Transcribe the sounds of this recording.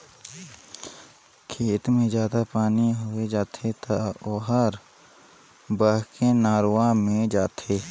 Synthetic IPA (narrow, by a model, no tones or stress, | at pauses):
kʰeːt̪mẽzjaːd̪apaːniɦʊed͡ʒaːt̪ʰet̪aoːɦəɾ | bəɦkenaːɾwamẽd͡ʒaːt̪ʰeː